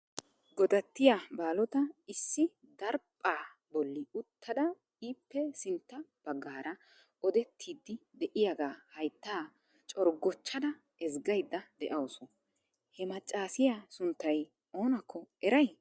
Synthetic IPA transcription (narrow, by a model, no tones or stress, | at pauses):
ɡɔd̪ɐt̪ːɪjabaːlɔt̪ɐɪsːɪ | d̪ɐɾpʼːaː | bɔlːɪʊt̪ʰːɐd̪ɐ | iːpːɛsɪnt̪ːɐb̥ɐɡːaːɾʔɐ | ɔd̪ɛt̪ʰːiːd̪ːɪd̪ɛʔɪjaɡaːhɐjt̪ːaː | t͡ʃʼɔɾɡɔt͡ʃːɐd̪ɐ | ɛzɡɐjd̪ːɐd̪ɛʔɐwsɔ | hɛmɐt͡ʃʼːaːsɪjasʊnt̪ːɐj | ʔo̞ːnɐkʰːɔɛɾɐj